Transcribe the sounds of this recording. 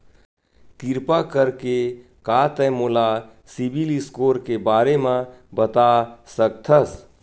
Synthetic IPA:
t̪iɾpakəɾke | kaːt̪ɛ̃mola | sibilɪskoːɾkebaːɾemãbət̪asək̚t̪ʰəs

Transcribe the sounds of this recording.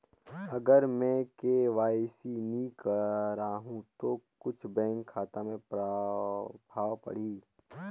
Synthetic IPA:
ɐɡəɾmɛ̃ːkeʋaːɪsinĩkəɾaɦũt̪okʊt͡ʃʰbɛ̃ːŋkʰːaːt̪amẽpɾ | bʱaːwpɐ̰ɽ̤iː

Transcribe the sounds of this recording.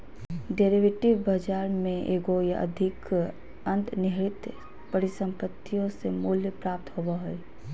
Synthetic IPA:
ɖeːɾiʋeʈiʋbəd͡ʒaːɾmẽʔeːɡoja̰ʔə̰d̪ʱɪk | ə̃nt̪nɪɦɾɪt̪ | pəɾisə̃mpət̪ʰːijõsemuljəpɾaːp̚t̪ɦobaɦoe

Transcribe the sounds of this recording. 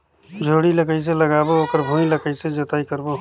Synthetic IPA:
d͡ʒʱoɽiləkəjseləɡabookəɾbʱũĩləkəɪsed͡ʒət̪aikəɾbo

